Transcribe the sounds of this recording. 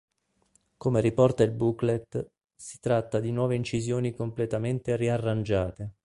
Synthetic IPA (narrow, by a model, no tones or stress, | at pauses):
komeɾipɔrt̪ailbuklet̪ː | si̥t̪ɾat̪ːad̪inwɔːveint͡ʃizjoːnikomplet̪ament̪eriarːand͡ʒaːt̪e